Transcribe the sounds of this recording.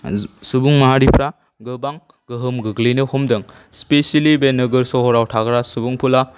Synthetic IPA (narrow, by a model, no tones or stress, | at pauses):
subuŋmaɦaɾipʰɾa | ɡɯbaŋ | ɡɯɦɯmɡɯɡlinɯhɔmdɐŋ | speselibenɯɡɯɾsɔɦɔɾawtʰaɡɾasubuŋpʰula